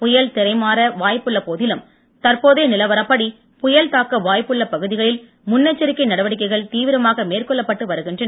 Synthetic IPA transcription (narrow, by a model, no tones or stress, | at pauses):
pʊjɐɭt̪ɪɾɐɪmaːɾɐʋaːjpːɯɭːɐpoːðɪlɯm | t̪ɐrpoːðeːnɪlɐʋɐɾɐpːɐɽi | pʊjɐlt̪aːkːɐʋaːjpːɯɭːɐpɐɣɯðɪɣɐɭɪl | mʊnːɐt͡ʃːɐɾɪkːɐɪnɐɽɐʋɐɽɪk̬ːɐɪɣɐɭt̪iːʋɪɾɐmaːɣɐmeːrkɔɭːɐpːɐʈːɯʋɐɾɯɣɪndrɐnɐ